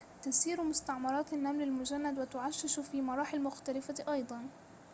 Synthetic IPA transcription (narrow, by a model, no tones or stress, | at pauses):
t̪ɪsiːɾmʊst̪aʕmɑɾˤɑːt̪anːamlɪlmʊd͡ʒanːad̪wɪt̪ʊʕaʃːɪʃʊfiːmɑɾˤɑːħɪlmʊxt̪alɪfaʔɑjd̪ˤɑn